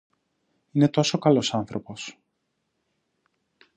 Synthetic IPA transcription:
ine̞t̪o̞so̞kɐlo̞sɐnθɾo̞po̞s

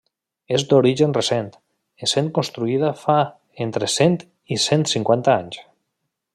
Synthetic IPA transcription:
ezd̪oɾiʒenresent̪ | esen̚konst̪ɾuið̞afa | ent̪ɾesent̪ | isent̪siŋkwant̪aaɲs

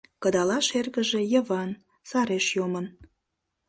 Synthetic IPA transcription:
kəd̪ɑlɑʃerɣəʒe̽jəβɑn | sɑɾeʃjomən

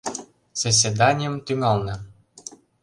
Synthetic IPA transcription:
z̥ɑs̬ʲed̪ɑnʲijəmt̪yŋɑlnɤ̆

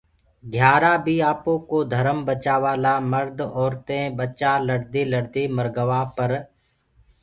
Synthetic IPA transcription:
ɡʱjaːɾaːbʱiːaːpõkod̪ʱəɾəmbət͡ʃaːʋaːlaməɾd̪ʱɔːɾt̪ẽbət͡ʃaːləɾd̪iːləɾd̪iːməɾɡəʋaːpəɾ

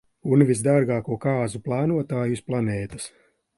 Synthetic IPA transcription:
unvʲizd̪aɾɡɑːkuɔkɑːzuplˠaːnuɔt̪aːjusplˠanɛːt̪ḁs

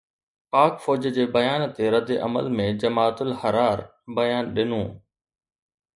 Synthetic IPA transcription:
paːkfɔːd͡ʑəd͡ʑeːbɐjaːnt̪eɾɐd̪eʔɐ̰mə̰lmẽd͡ʑɐmaːt̪ʊlhɐɾaːɾ | bɐjaːnɗɪnũː

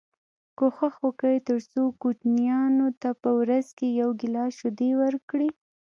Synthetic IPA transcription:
koxaxokəjt̪əɾsokut͡ʃnijɑnot̪apəwɾazkejawɡɪlɑʃʊd̪ewəɾkɽi

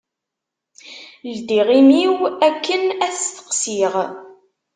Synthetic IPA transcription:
ld̪iʁimiwækːənæθt̪ə̥qsiʁ

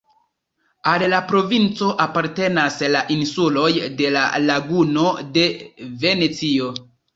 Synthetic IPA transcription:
allapɾo̞vint͡so̞ʔapaɾte̞naslaʔinsulo̞jde̞la̰laɡuno̞de̞ve̞net͡sio̞

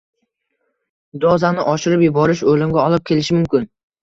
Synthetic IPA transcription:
d̪ɒzanɪʔɒʃɪɾɪpjʊbɒɾɪʃolɪmɡʲaɒlˠɪp̚kʲʰe̞lɪʃɪmʊmkʲɪn

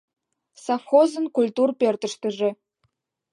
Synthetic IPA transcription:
sɑfxozɤ̆nkulʲt̪urpert̪ə̆ʃt̪ə̆ʒĕ

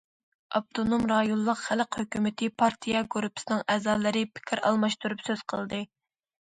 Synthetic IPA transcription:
ɑp̚t̪ʰonomɾɑjolˠːəqχæləqhøkʲymɪt̪ʰɪpʰɑɾt̪ʰijɑɡoɾupʰːsɨnɨŋɛːzɑːlˠɨɾɪpʰɪ̥kʲʰɪɾɑ̰lˠmɑʃt̪uɾupsøz̥qʰəlˠd̪ɨ

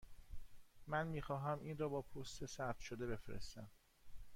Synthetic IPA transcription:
mænmiːxɒːɦæmʔiːnrɒːbɒːpʰost̪esæp̚t̪ʃod̪e̞be̞fɾḛst̪æm

